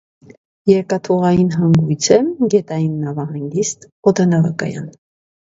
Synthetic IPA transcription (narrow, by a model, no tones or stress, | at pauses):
jɛɾkɑt̪ʰɔʁɑjinɦɑŋɡujt͡sʰɛɡɛt̪ɑjinːɑvɑɦɑŋɡist̪ | ɔd̪ɑnɑvɑkɑ̰jɑ̰n